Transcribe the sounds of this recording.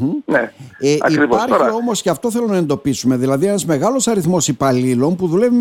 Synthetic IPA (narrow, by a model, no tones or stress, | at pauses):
neeɐ̰ikɾioɐɾio̞mo̞sceɐft̪o̞θe̞lonɐe̞nd̪o̞pisume̞ðilɐðie̞nɐzme̞ɣɐlo̞sɐɾiθmo̞sipɐlilo̞npuðule̞vim